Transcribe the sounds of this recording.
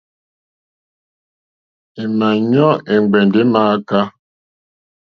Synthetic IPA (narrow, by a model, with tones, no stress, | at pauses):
e˨ma˨ɲɔ˦ʔe˨ŋ͡mɡ͡be˨n˨de˦ma˨˦ka˦